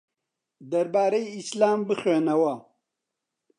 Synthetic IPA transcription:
d̪ɐɾbaːɾeiislaːmbɨxweːnɐwɐ

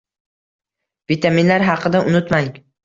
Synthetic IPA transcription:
vit̪ʰaminlaɾɦɑqʰɨd̪aʔʊnʊt̪maŋ

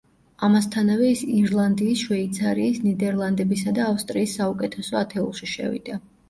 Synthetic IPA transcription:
amast̪ʰanavɛisiɾlˠand̪iːsʃwɛit̪sʰaɾiːsnid̪ɛɾlˠand̪ɛbisad̪aːfst̪ʼɾiːsːaukʼɛt̪ʰɛsɔat̪ʰɛṵlˠʃiʃɛ̰vḭd̪̥a

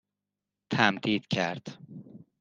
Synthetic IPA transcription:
t̪ʰæmd̪iːd̪̥cʰæɾd̪̥

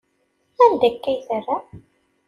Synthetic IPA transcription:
ænd̪ækːæjθərːa

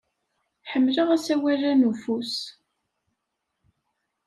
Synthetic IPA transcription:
ħəmːləʁæsæwærænufus

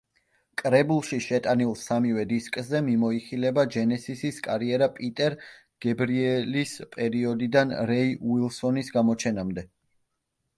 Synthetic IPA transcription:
kʼɾɛbulˠʃiʃɛt̪ʼanilˠsamivɛd̪iskʼzɛmimɔiχilɛbad͡ʒɛnɛsisiskʼaɾiɛɾapʼit̪ʼɛɾ | ɡ̥ɛbɾiɛlispʼɛɾiɔd̪id̪anɾɛiwilˠsɔnisɡamɔt͡ʃʰɛnamd̪ɛ

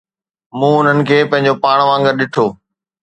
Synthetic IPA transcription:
mũːʊn̤ənɪ̆kʰeːpɐ̃ɦɪ̃ɲd͡ʑopaːɽ̃ʋãːŋɡəɾɗɪʈʰoː

